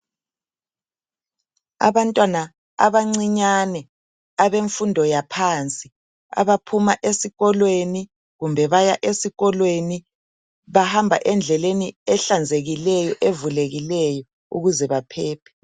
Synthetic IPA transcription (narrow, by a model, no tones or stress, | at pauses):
a̰βantʼwana | a̰βaŋ͡ǀiɲanɛ | aβeɱfundʱɔjapʰant͡sʼi | a̰βapʰumaʔesiɣɔlweni | ɣumbʱɛβajaʔesiɣɔlweni | βahambʱa̰ʔɛnd͡ɮʱɛleniɛɬand͡zʱeɣilɛjɔʔevuleɣilɛjɔ | ṵɣuzɛβapʰɛːpʰɛ̥